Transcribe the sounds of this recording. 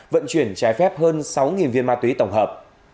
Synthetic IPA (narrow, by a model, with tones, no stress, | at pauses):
və̰˧˨nt͡ɕwi˧˩ənt͡ɕaː˨˦jfɛ˦˥p̚həː˧nsa˨˦wŋi˨˩nvi˧ənmaː˧t̪wi˨˦t̪ə˧˩wŋ͡mɦəː˨˩p̚